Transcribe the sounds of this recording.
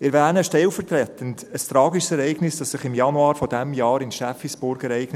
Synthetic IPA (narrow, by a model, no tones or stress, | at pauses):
ɪɾvæːnəʃtɛlfəɾt̪ɾɛtəntəst̪ɾɑːɡiʃsɛɾɛɪɡnɪsd̥ɑsːɪχɪmjɑnuɑːɾfɔdɛmjɑːɾɪnʃæfisb̥ʊɾɡɛɾɛɪɡ̥nə